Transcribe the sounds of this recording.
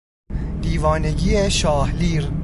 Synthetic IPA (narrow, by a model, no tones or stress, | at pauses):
d̪iːvɒːneɟiːeʃɒːhliːɾ